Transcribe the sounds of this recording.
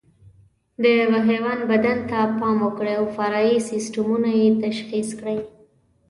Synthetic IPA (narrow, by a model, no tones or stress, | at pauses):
d̪əvaɦewanbad̪ant̪apɑmokɽeawfaɾɑisɪsʈamunajet̪aʃxiskɽəj